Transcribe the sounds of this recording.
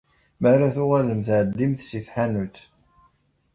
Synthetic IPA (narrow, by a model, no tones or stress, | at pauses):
mərˤːaθʊʁaləmθʕəd̪ːimθsiθħanut̪